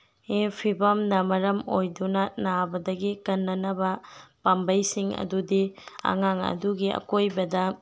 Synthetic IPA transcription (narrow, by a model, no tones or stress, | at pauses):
epʰibɐmnɐmɐɾɐmojdunɐnabɐdɐɡikɐnːɐnɐbɐpambɐjsiŋɐ̰dudiɐ̰ŋaŋɐ̰duɡiɐ̰kojbɐdɐ